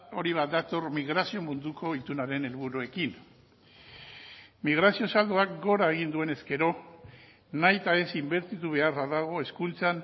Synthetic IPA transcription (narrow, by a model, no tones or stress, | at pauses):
o̞ɾiβ̞at̪̚d̪at̪o̞ɾmiɣ̞ɾasio̞mund̪ukʰo̞it̪unaɾe̞ne̞lβ̞uɾue̞kin | miɣ̞ɾasio̞sald̪oak̚ɡo̞ɾaeɣ̞ind̪ue̞ne̞ske̞ɾo̞ | najt̪ae̞simbe̞ɾt̪it̪uβ̞e̞araðaɣ̞o̞e̞skunt͡san